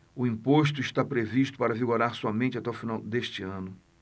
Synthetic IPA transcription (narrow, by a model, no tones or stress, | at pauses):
ʊĩpoʃt̪ʊiʃt̪apɾeviʃt̪ʊ̥paɾɐviɡoɾaɾsɔmẽnt͡ʃɪat̪ɛʊfinawd̪eʃt͡ʃɪɐ̃nʊ